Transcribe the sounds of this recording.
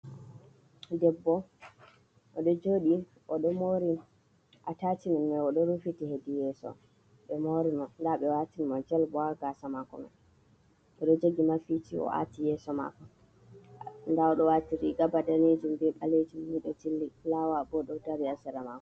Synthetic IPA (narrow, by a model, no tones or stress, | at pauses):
dɛbːɔ | ʔɔɗɔd͡ʒoːɗi | ʔɔɗɔmoɾi | ʔatatinimːɛɔɗɔɾufitihedijɛsɔ̰ | ɓɛmoɾimɔndaɓɛwatinimɔd͡ʒɛlbɔaɡasamakɔ̰mɛ̰ | ʔɔɗɔd͡ʒeɡimafitiɔ̰ʔa̰tijɛsɔma̰kɔ | ndaɔɗɔwatiɾiɡabadaned͡ʒumbɛɓaled͡ʒumniɗɔt͡ʃilːilawabɔɗɔdaɾiasɛɾamakɔ